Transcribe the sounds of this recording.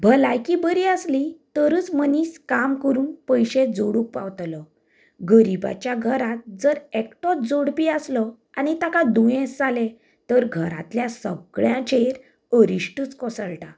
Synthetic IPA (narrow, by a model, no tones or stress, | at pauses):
bʱəlajkibəɾiːəslit̪əɾəːt͡sməniːskamkəɾuːnpəjɕed͡zoɽuk̚paʋt̪lə | ɡəɾiba̰t͡ɕjaɡʱəɾat̪̚d͡zəɾekʈɔt̪̚d͡zoɽpiəslə | anit̪akad̪ũjẽsd͡zale | t̪əɾɡʱəɾa̰t̪ljasəɡɭjãt͡ɕʰeɾ | əɾiɕʈəːt͡skɔsəɭʈa